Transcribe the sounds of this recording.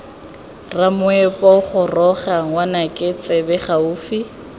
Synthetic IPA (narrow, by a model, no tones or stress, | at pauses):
ramʊɛpʼɔχʊrɔχaŋwanakʼɪt͡sʼɪbɛχauːfi